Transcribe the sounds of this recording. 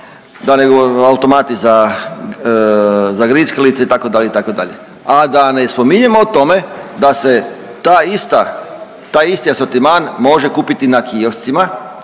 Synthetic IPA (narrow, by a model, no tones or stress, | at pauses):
d̪aneɡoawut̪o̞mat̪iza | zaɡɾiːskelit̪seit̪ako̞d̪aʎeit̪akod̪a̰ʎe | ad̪anespomiɲemot̪o̞me̞d̪ase | t̪aist̪a | t̪aːjist̪iasoɾt̪imaːnmo̞ʒe̞kuːpit̪inakʰiofst̪sima